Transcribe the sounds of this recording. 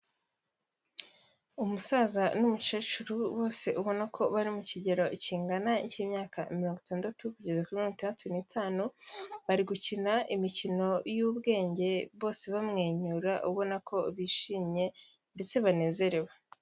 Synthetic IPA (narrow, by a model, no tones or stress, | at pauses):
umusazanumut͡ʃet͡ʃuɾuβo̞ːse̞ʔuβo̞nakʰo̞βaɾimuciɟe̞ɾo̞iciːŋɡanaiceːmɲaːkamiɾo̞ːŋɡitaːndatukuɟezekuimiɾoŋɡitʰaːndatuniːtʰaːnuβaɾiɡucinaʔimicino̞juːβɡe̞ːɲɟe̞βo̞ːse̞βamŋe̞ːɲuːɾaʔuβo̞nakʰo̞βiːʃiːmɲe̞ | nde̞t͡se̞βane̞ːze̞ɾe̞wa